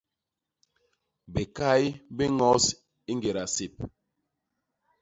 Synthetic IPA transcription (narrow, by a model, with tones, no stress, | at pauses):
be˨ka˦jbe˦ŋɔ˨˦s | i˦ŋɡe˨ɾa˨se˨p̚